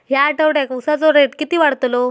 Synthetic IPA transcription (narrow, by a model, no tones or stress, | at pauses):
ɦjaʈəʋɽakusat͡soɾeʈkit̪iːʋaɽt̪lo